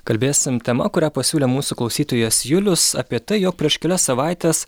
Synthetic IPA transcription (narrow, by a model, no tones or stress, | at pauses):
kɐlʲbʲeːsʲɪmt̪ʲɛmɐ̰kʊɾʲæːpɐsʲuːlʲeːmuːsuklˠɒʊsʲiːt̪oːjɛsjʊlʲʊsɐ̰pʲiɛt̪ɐɪjoːk̚pʲɾʲiɛʃkʲɛlʲɛssɐʋɑˑɪt̪ʲeːs